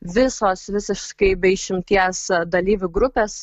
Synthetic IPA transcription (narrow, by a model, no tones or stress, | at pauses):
ʋʲɪsoːsʋʲɪsʲɪʃkɐɪbʲɛɪʃʲɪmʲt̪ʲiɛsd̪ɐlʲiːʋʲʊɡɾʊpʲeːs